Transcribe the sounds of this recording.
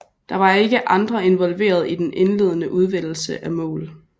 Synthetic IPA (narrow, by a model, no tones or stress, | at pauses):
d̥ɑ̈ʋɑ̈e̝ɡ̥əʔɑ̈nd̥ʁɐe̝nʋɒ̽lʋe̝̰ːɐð̞̩ˠid̥enʔe̝nle̝ð̞̰ˠənəʔuð̞ˠʋel̰l̩səʔæmɔ̰̽ːl